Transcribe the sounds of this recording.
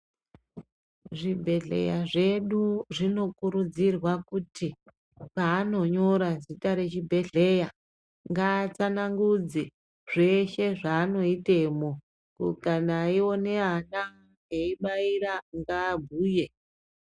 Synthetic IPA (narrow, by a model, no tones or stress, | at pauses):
ʐibʱe̞ɮe̞̰jaʐe̞ɗuʐino̞kuɾud͡zirwakutʰi | paːno̞ɲo̞ɾazitaɾe̞t͡ʃibʱe̞ɮe̞ja | ŋɡaːt͡sanaŋɡud͡ze | ʐ̥e̞ʃe̞ʐaːno̞ite̞mo̞ | kukanaiwo̞ne̞ɦana | eiɓaiɾaŋɡaːbʱuːje̞